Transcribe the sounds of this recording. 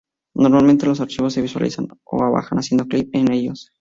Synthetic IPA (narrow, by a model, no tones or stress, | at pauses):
no̞ɾmalmẽ̞nt̪e̞lo̞s̬aɾt͡ʃiβosːe̞βiswa̰lʔḭsano̞̰aβa̰xanasje̞nd̪oklip̚ene̞ʝo̞s